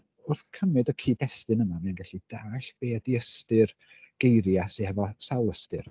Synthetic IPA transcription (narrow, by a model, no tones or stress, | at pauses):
ʊrθkʰəmɨdɔkʰiːdɛstɨnəmamianɡaɬid̥aːɬb̥eːadiəstɨr | ɡ̥ejɾjasehɛvɔsawlˠəstɨ̰r